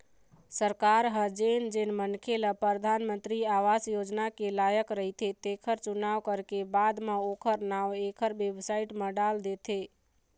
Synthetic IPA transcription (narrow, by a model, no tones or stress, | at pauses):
səɾkaɾɦəd͡ʒend͡ʒenmənkʰeləpɾəd̪ʱanmənt̪ɾiaʋasjod͡ʒnakelajəkɾəɦit̪ʰet̪ekʰəɾt͡ʃunaʋkəɾkebad̪meokʰəɾnawekʰəɾbebsaiʈmə̃ɖald̪et̪ʰe